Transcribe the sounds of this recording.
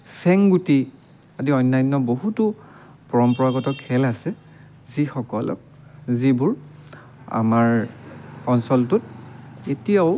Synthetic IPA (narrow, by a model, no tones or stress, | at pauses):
sɛŋɡuti | adiɔjnːajnːɔboɦutʊ | pɔɹɔmpɔɹaɡɔtɔkʰɛlasɛ | zixɔkɔ̰lɔ̰k | zibuɹ | a̰maɹ | ɔnsɔltʊt̚etijaʊ